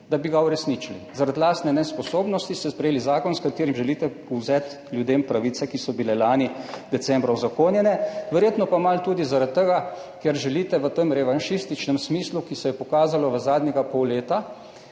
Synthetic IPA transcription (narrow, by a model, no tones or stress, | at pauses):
d̪abiɡauɾɛsnit͡ʃilizaɾad̪laːst̪nɛnɛspɔsoːbnɔst̪ist̪ɛspɾɛjeːlizaːkɔnskat̪eːɾimʒɛliːt̪ɛ | uwzɛːt̪ | lʲjud̪eːmpɾaʋisɛkisɔbilɛlaːnid̪ɛt̪sɛmbɾauzakoːnjɛnɛʋəɾjeːt̪nɔpamalt̪uːd̪izaɾat̪ːɛɡakɛɾʒɛliːt̪ɛʋət̪əmɾɛʋanʃist̪it͡ʃnɛmsmiːslukisɛjɛpɔkaːzalɔʋəzaːd̪nʲɛɡapɔwleːt̪a